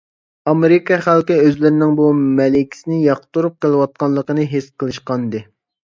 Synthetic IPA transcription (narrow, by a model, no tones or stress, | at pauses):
ɑmeɾɪkʰɑχælkʲɪøzlɪɾɪnɪŋbumɛlɪkʲʰi̥sɪnɪjɑqt̪uɾup̚qəlˠɨwɑt̪̚qɑnlˠːəqənɨɦesqʰəlˠɨʃqɑnd̪ɨ